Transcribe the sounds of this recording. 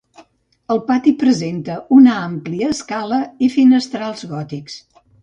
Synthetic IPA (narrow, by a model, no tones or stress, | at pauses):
əlˠpat̪ipɾəzent̪əʔunəampliəːskaləifinəst̪ɾalˠzɣɔt̪iks